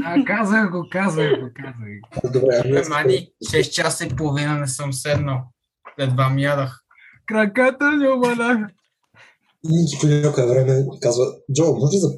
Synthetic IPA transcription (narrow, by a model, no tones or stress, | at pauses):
akazəxɡokazɐjɡokazɐd̪obɾɛɛmaniʃɛst̪t͡ʃasipolˠovinənɛsɤmsɛd̪no | d̪ɛd̪vamjad̪ɐx | kɾɐkat̪ənʊbɐla | init͡ʃikonʲakʊɛvɾɛmɛkazvɐd͡ʒɔwmɔʒɛzɐ